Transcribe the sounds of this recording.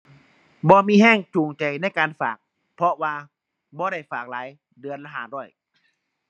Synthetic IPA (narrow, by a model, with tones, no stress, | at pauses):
bɔː˧miː˧˥˧ɦɛː˧˥˩ŋt͡ɕʰuː˨˩ŋt͡ɕa˨˩jna˧˥˩jkaː˨nfaː˨˩k̚ | pʰɔ˧waː˧ | bɔː˧˦ɾa˥˩jfaː˨˩k̚laː˨˦j | dɯ˨˧ənla˧ɦaː˨˩dɔː˧˩j